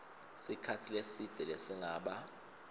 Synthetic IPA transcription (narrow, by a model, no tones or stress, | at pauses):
sikʰatʰilesid̥ʱɛlɛsiŋaːɓa